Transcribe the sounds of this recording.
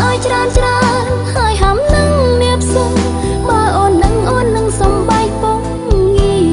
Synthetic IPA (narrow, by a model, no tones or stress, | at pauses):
ʔaɔjt͡ɕraənt͡ɕraənhaəjɦamnɨŋmiəp̚suŋ | ɓaəʔoːnːɨŋʔoːnːɨŋsɑmɓaɛk̚poŋ | ŋiə